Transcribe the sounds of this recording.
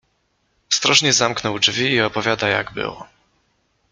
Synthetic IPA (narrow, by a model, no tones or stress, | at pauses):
ɔst̪ɾɔʐɲɛzamknɔwd͡ʐvʲiːɔpɔvʲjad̪aja̰ɡbɘ̰wɔ̰